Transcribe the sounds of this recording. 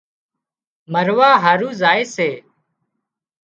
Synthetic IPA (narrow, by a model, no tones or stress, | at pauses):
məɾʋaːɦəɾuːzaːeːseː